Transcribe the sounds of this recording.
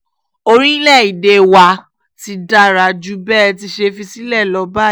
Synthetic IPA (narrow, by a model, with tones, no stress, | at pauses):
o˧ɾĩ˦i˦lɛ˦˨i˨de˧wa˧ | ti˧˦da˦˨ɾa˨d͡ʒu˦bɛː˦ti˧ʃe˧fi˧si˦lɛ˦˨lɔ˨˧˦ba˦